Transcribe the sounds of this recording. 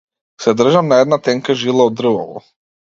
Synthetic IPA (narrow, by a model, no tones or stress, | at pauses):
sɛd̪r̩ʒamnaɛd̪nat̪ɛŋkaʒilˠaɔd̪r̩vɔlɔ̰